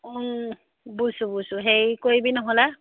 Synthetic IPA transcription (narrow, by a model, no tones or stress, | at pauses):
busubusuɦejkoɹibinɔɦola